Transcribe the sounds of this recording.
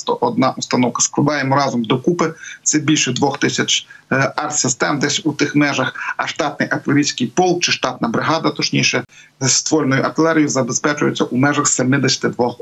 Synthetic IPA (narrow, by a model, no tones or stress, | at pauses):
t̪ɔ̰ʔɔd̪nɑʔust̪ɐnɔwkɐ̥sklˠɐd̪ɑjemɔɾɑzɔmd̪ɔkupɪt̪sɛbʲilʲʃɛd̪ʋɔxt̪ɪsʲɐt͡ʃɑrsɪst̪ɛmd̪ɛsʲut̪ɪxmɛʒɐxɐʃt̪ɑt̪̚nɪjʔɐt̪ɪleɾʲijsʲkɪjpɔlˠk̚t͡ʃɪʃt̪ɑt̪nɐbɾɪɦɑd̪ɐt̪ɔt͡ʃnʲijʃɛ | st̪ʋɔlʲnɔjʊʔɐt̪ɪlˠɛɾʲijʊzɐbespɛt͡ʃʊjʊt͡sʲːɐʔumɛʒɐxsemɪd̪esʲɐ̥t̪ɪd̪ʋɔ